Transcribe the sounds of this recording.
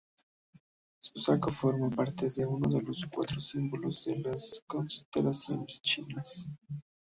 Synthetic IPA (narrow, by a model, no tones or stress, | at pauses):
susakofo̞ɾmapaɾt̪eðe̞uno̞ðe̞lo̞skwa̰t̪ɾosimbolozðelasko̞nst̪elasjo̞nest͡ʃinas